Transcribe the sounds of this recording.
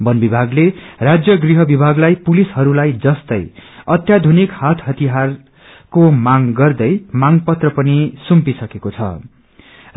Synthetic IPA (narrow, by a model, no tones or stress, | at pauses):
bʌnbibʱaɡlerad͡zjʌɡriɦʌbibʱaɡlajpulisɦʌɾulajd͡zʌst̪ʌ̰jʌt̪jad̪ʱunikhat̪ʰɦʌt̪iɦar | komaŋɡʌrd̪ʌjmaŋpʌt̪rʌpʌnisumpisʌkekot͡sʰʌ̰